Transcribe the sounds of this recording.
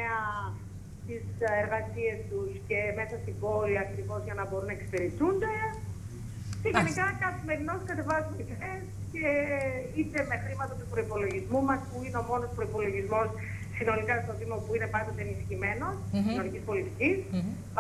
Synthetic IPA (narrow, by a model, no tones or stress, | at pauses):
eɐ | t̪iseɾɣɐsie̞st̪usce̞me̞sɐst̪ibo̞liɐkɾivo̞zʝɐnɐbo̞ɾunɐekse̥peɾit͡sund̪e̞ | ceʝenikɐkɐθime̞ɾino̞skɐt̪e̞vɐzuniðes | ce̞it̪e̞me̞xɾimɐt̪ɐt̪upɾo̞ipo̞lo̞ʝizmumɐspuineo̞mo̞no̞spɾo̞ipo̞lo̞ʝizmo̞sː | ino̞likɐst̪o̞ðimopuine̞pɐnd̪o̞t̪eːnisçime̞no̞st̪iino̞nicispo̞lit̪icis